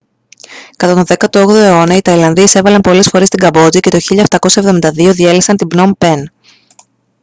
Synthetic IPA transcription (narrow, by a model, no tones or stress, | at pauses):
kɐt̪ɐt̪oðe̞kɐt̪ooɣðoe̞o̞nɐit̪ɐilɐnðiɐise̞vɐlɐnpo̞le̞sfo̞ɾe̞st̪iŋɡɐbo̞t͡sice̞t̪o̞çiʎɐeft̪ɐko̞sɐe̞vðo̞mind̪ɐðio̞ðielisɐnt̪ibno̞mpe̞n